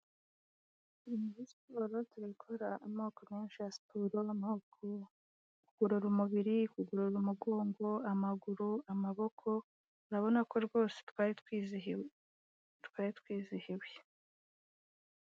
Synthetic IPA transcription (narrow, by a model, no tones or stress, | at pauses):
imuzisoɾo̞tuɾikʰoɾaːmoːkomeːnʃiasi̥tʰuɾoamaokʰo | kuɡ̥uɾuɾumuβiɾikuɡuɾuɾumuɡo̞ːŋɡo̞amaɡuɾuamaβo̞kʰo̞ | ɾaβo̞nako̞ɾɡo̞ːse̥tkaɾitwizi | tu̥kaɾitwiːzihiwje